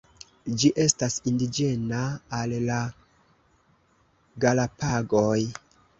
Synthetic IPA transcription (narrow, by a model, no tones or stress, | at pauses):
d͡ʒiʔe̞stasindid͡ʒe̞naːlːa | ɡalapaɡo̞j